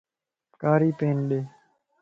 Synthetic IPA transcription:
kaːɾiːpeːnɗeː

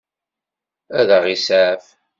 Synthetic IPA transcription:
æðəʁisæf

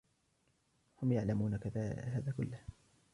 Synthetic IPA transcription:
hʊmjaʕlamuːnakaðaːɦaːðaːkʊlːah

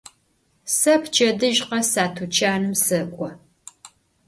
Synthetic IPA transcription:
sɐpʰt͡ʃʰɐdɨʒqɐsaːtʰut͡ʃʰaːnɨmsɨkʷʼɔ

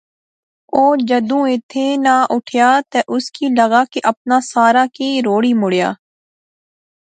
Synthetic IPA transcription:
oːd͡ʒəd̪ũːɪt̪ʰːeːnaːʔʊʈʰjaːt̪eːʔʊskiːləɡaːkeʔəp̚naːsaːɾaːkiːɾoːɽiːmʊɽɪja̰ː

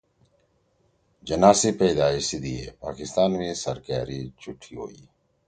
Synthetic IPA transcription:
d͡ʒənaːsiːpeːd̪aːɪsid̪iḛːpa̰ːkɪst̪aːnmẽːsəɾkaːɾiːt͡ʃʊʈʰiːɦo̰ːiː

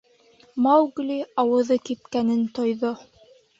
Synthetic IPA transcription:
mɑwɡlʲiɑwɤ̆ðɤkip̚kænɘnt̪ŏjðo

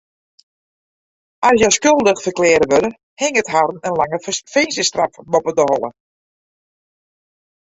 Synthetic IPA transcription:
asjɔskølˠdəxfərklɪːɾəʋøɾə | hɪŋəthaɾn̩ənlaŋəfensəstrafmopədəhɔlˠə̰

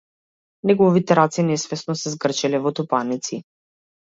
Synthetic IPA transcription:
nɛɡɔvit̪ɛɾat̪sinɛsvɛsnɔsɛzɡr̩t͡ʃɛlɛvɔt̪upanit̪si

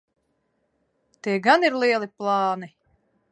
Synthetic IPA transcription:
t̪iɛɡaniɾlˠiɛlˠiplˠaːni

